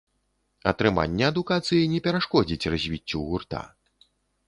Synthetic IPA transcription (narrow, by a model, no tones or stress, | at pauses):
ɐt̪ɾɨma̰nʲːɛɐd̪ukat̪sɨjinʲɛpʲɛɾaʂkɔd͡zʲit͡sʲrazʲvʲit͡sʲːuɣurt̪a̰